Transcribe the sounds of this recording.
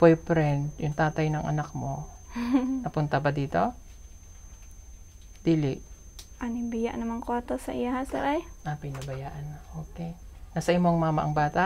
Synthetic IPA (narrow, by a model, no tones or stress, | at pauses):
pojpɾɛnd̪̚jʊŋt̪aːt̪ɐjnɐŋʔɐ̰nak̚mo̞ | nɐpʊnt̪ɐbɐd̪iːt̪o̞ | d̪̥iːlɪʔʔɐnɪmbɪja̰ʔnɐmaŋkoɐt̪osɐʔɪjaɦasɛ̰ɾajʔapɪnɐbɐjaːʔɐnaʔoːkɛnɐsɐʔɪmoŋmaːmɐʔɐŋbaːt̪a